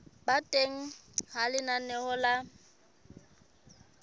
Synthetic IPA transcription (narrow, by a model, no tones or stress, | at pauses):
batʼeŋ̩halɪnanɛhɔla